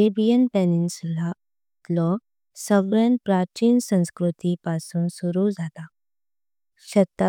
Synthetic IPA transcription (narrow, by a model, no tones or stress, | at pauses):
ebijənpeninsla | it̪lɔ | səɡɭãnpɾat͡ɕinsə̃w̃skɾut̪ipasuːnsuɾud͡zat̪a | ɕət̪ːa